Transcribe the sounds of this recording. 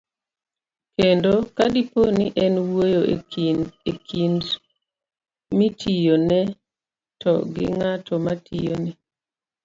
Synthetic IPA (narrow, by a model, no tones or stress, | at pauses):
kendokadiponɪʔɛnwojo | ekʰind | mitʰijonɛ | tɔɡɪ̰ŋatɔmatijonɛ